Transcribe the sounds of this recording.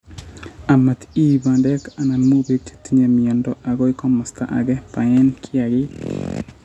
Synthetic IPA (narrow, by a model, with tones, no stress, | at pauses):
a˨ma˨t̪i˦ba˨ndɛ˦ka˨na˨mo˦be˦t͡ʃe̥t̪i˦ɲa˨mi˨ɔ˨ndɔa˨ɡɔ˦ɪ˦kɔ˦mɔ˨st̪a̰˦ʔa̰˨ɡɛ˦pa˨ɛ˦nkʰɪ˦a˨ɡɪ˦